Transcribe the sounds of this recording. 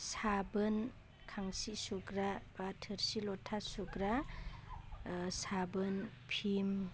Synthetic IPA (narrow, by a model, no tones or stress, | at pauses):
sabɯn | kʰaŋsisuɡɾabatʰɯɾsilɔtʰːasuɡɾa | sabɯn | pʰim